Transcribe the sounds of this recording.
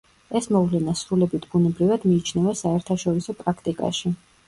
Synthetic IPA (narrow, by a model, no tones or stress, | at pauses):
ɛsmɔvlɛnasɾulɛbit̪ʰb̥unɛbɾivad̪miːt͡ʃʰnɛvasaɛɾt̪ʰaʃɔɾisɔpʼɾakʰt̪ʼikʼa̰ʃi